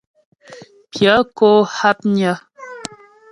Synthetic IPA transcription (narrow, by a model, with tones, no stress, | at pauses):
pja˨˦ko˦ha˦p̚ɲa˦